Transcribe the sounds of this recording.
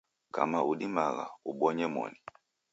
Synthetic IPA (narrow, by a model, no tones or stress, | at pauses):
ka̰mauɗimaɣauɓɔɲɛmɔ̰ni